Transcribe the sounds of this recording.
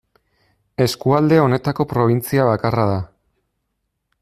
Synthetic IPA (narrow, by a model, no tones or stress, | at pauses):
e̞skuald̪e̞o̞ne̞t̪ako̞pɾo̞β̞int͡siaβ̞akarað̞a